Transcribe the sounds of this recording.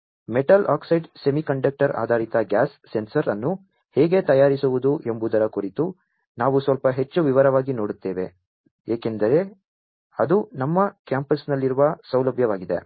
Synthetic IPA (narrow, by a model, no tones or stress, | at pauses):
meʈɐlʔaːksɐjɖsemikɐɳɖɐk̚ʈɐɾa̰ːd̪ʱaːɾit̪ɐɡaːsːe̞nsɐɾɐnːu | hɛːɡe̞t̪ɐjaːɾisuʋud̪uʔe̞mbud̪ɐɾɐkuɾit̪u | naːʋusʋɐlpɐɦet͡ʃːuʋiʋɐɾɐʋaːɡino̞ːɽut̪ːeːʋe̞̰ | eːke̞nd̪ɐɾe̞ | ɐd̪unɐmːɐkjaːmpɐsnɐlːiɾuʋɐsɐwlɐbʱjɐʋaːɡid̪e̞̰